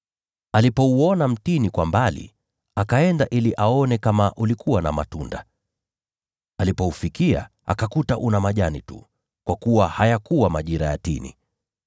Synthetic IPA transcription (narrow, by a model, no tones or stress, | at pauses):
alipɔuɔnam̩tinikwambalḭ | akaɛndaʔiliʔaɔnɛkamaʔulikʰuwana̰ma̰tunda | alipɔufikia̰ | a̰kakutaʔunamaʄanitṵ | kwakuwahajakuwamaʄiɾaja̰tḭnḭ